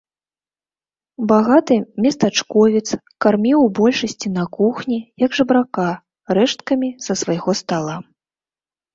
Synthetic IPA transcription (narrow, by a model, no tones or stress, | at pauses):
baɣat̪ɨmʲɛst̪at͡ʂkɔvʲit̪s | karmʲiwbɔlʲʂɐsʲt͡sʲinɐkuxnʲijɐɡʐɨbɾaka | rɛʂt̪̚kɐmʲisɐsvajɣɔst̪alˠa